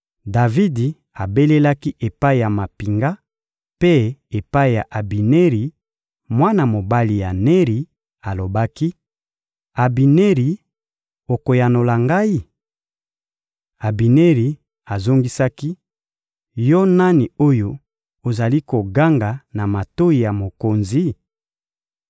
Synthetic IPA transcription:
da˨vi˦di˨ | a˨be˦le˦la˦ki˦ʔe˨pa˦i˨ja˨ma˨pi˨ŋɡa˦ | pe˦e˨pa˦i˨ja˨ʔa˨bi˨ne˦ʁi˨ | mwa˦na˨mo˨ba˦li˨ja˨ne˦ʁi˨ | a˨lo˨ba˦ki˦ | a˨bi˨ne˦ʁi˨ | o˨ko˨ja˨no˨la˨ŋɡa˦i˦ | a˨bi˨ne˦ʁi˨ | a˨zo˦ŋɡi˦sa˦ki˦ | jɔ˦na˦ni˨o˦jo˦ | o˨za˨li˦ko˨ɡa˦ŋɡa˨na˨ma˨to˦i˨ja˨mo˨ko˨nzi˨˦

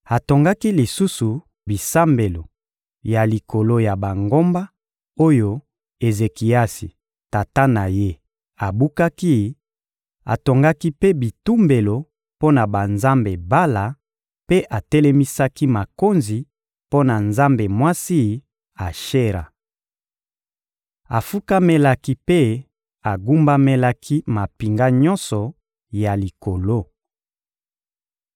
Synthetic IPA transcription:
a˨to˨ŋɡa˦ki˦li˨su˦su˨ | bi˨sa˦mbe˨lo˨ | ja˨li˨ko˨lo˦ja˨ba˨ŋɡo˦mba˦ | o˦jo˦ | e˨ze˨ki˨a˦si˨ | ta˨ta˦na˨je˦ | a˨bu˦ka˦ki˦ | a˨to˨ŋɡa˦ki˦pe˦bi˨tu˦mbe˨lo˨ | po˦na˨ba˨nza˦mbe˨ba˦la˨ | pe˦ʔa˨tɛ˦lɛ˦mi˦sa˦ki˦ma˨ko˦nzi˨ | po˦na˨nza˦mbe˨mwa˦si˦ | a˨ʃe˦ʁa̰˨ | a˨fu˦ka˦me˦la˦ki˦pe˦ | a˨ɡu˦mba˦me˦la˦kʰi˦ma˨pi˨ŋɡa˦ɲɔ˦nsɔ˨ | ja˨li˨ko˨lo˦

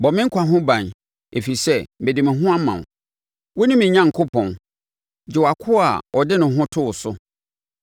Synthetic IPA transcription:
bɔ˨mɪ̃˦ŋ̩˦kʷʰa˨ɦʊ̃˦bã˨n | e˨fi˨sɛ˦bɪ̃˨dɪ˨mɪ̃˨ɦʊ̃˦a˦mã˨n˨ | wɔ˦nɪ̃˦mɪ̃˨ɲã˨ŋ̩˨kʰo˦pʰɔ̃˨n | d͡ʑɪ˨wa˨kʰʊ˦a̰˨ɔ˨dɪ˦nʊ̃˨ɦʊ̃˦tʰʊ˦˨sʊ˦

